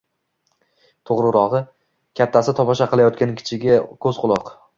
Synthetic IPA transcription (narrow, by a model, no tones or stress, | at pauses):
t̪ʰoʁɾɨɾɒʁɨ | kʲʰat̪ʰːasɪt̪ʰɒpɒʃaqʰɨlˠajɒt̪̚kʲankʲʰɪ̥t͡ʃʰɪɡʲɪkʰɵzqʰʊlˠɒq